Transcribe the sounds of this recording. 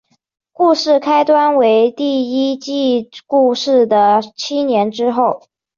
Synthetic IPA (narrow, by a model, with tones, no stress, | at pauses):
ku˥˧ʂɻ̩˥˩kʰa˥ɪt̪wa˥nwe˧˥ɪt̪i˥˩i˥t͡ɕi˥˧ku˥˧ʂɻ̩˥˩d̪ə˩t͡ɕʰi˥njɛ˧˥nʈ͡ʂɻ̩˥xo˥˩ʊ